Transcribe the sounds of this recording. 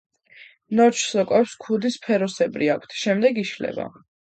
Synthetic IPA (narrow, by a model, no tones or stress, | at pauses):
nɔt͡ʃʰsɔkʼɛpskʰud̪ispʰɛɾɔsɛbɾiakʷʰt̪ʰʃɛmd̪ɛɡiʃlɛ̰ba̰